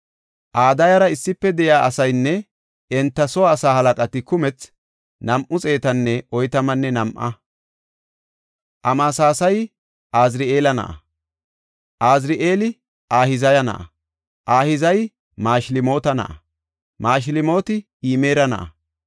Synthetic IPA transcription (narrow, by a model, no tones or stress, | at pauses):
ʔaːd̪ɐjɐɾɐɪsːɪpːɛd̪ɛjaːʔɐsɐjnːɛ | ɛnt̪ːɐsɔwːsaːhɐlɐkʼɐt̪ɪkʊmɛt͡s | nɐmʔʊt͡sʼe̞ːt̪ɐnːɛɔjt̪ɐmɐnːɛnɐmʔɐ̰ | ʔɐmaːsaːsɐj | ʔaːzɾɪʔeːlɐnɐ̰ʔɐ̰ | ʔaːzɾɪʔeːlɪ | ʔaːhɪzɐjɐnɐ̰ʔɐ̰ | ʔaːhɪzɐj | maːʃlɪmo̞ːt̪ɐnɐ̰ʔɐ̰ | maːʃ̬lɪmo̞ːt̪ɪ | iːmeːɾɐnɐ̰ʔɐ̰